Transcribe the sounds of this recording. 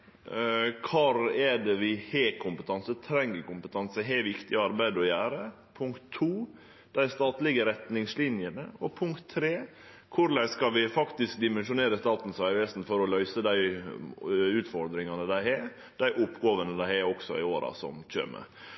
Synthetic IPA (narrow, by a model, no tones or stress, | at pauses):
kʰɑɾɛɖɛʋɪhɛkʰʊmpət̪ʰɑnsət̪ʰɾɛŋːəɾkʊmpət̪ʰɑnsəɦɛʋɪkt̪ɪɑɾbæɪd̪ɔjæːɾə | pʰʊŋkt̪ʰːuː | d̪̥æɪst̪ɑːt̪lɪɡəɾɛt̪nɪŋslɪnjənəɔpʰʊŋkt̪ʰːɾeː | kʰʊɾlæɪskɑʋɪfɑkt̪ɪsk̚d̪ɪmɛnʂʊneːɾəst̪ɑːt̪n̩sæɪʋesnfɔɾɔlœʏsəd̪æɪ | ʉːt̪fɔɾd̪ɾɪŋɑnəd̪æɪhɛ | d̪̥æɪʔʊpːɡoːʋənəd̪æɪhɛɔksɔɪoːɾɑ̰sɔ̰mc͡çø̰ːɾmə̰